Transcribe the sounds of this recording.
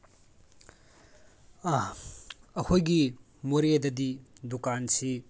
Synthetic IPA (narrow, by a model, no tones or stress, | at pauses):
ɐkʰojɡi | moɾedɐdidukansi